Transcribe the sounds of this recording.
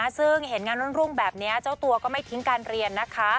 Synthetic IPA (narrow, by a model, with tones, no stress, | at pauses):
sɯ˥˩ŋhe˩˦nŋaː˧nɾu˥˩nɾu˥˩ŋbɛː˨˩p̚ni˦˥ɐt͡ɕa˥˩wt̪u˧ɐkɔː˥˩ma˥˩jt̪ʰi˦˥ŋkaː˧nɾi˧ənːa˦˥kʰa˦˥